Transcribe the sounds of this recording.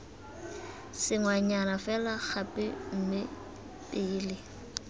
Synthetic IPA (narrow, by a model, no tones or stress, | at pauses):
sɪŋwaɲanafɛlaχapʼɪm̩mɪ | pʼɪːlɪ